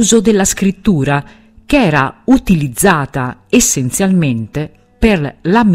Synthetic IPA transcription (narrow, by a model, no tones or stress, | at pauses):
zod̪elːaskɾit̪ːuːɾa | kɛːɾaut̪ilid̪zːaːt̪aesːent̪sjalment̪e | perlam